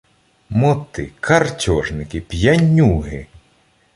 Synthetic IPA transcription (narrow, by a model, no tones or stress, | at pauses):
mɔt̪ɪkʰɐrtʲɔʒnɪkɪpʲjɐnʲːuɦɪ